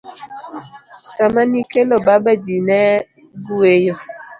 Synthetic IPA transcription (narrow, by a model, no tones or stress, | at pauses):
samanikelɔbabəd͡ʒinɛ | ɡuejo